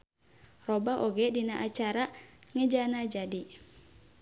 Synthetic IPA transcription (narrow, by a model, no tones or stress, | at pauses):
robaʔoɡɛdinaʔat͡ʃaɾaŋəd͡ʒanad͡ʒadi